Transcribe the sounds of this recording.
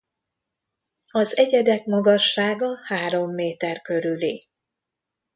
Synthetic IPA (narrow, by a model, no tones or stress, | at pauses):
ɒzɛɟɛd̪ɛk̚mɒɡɒʃːaːɡɒhaːɾo̞mːeːt̪ɛrkø̞ɾyli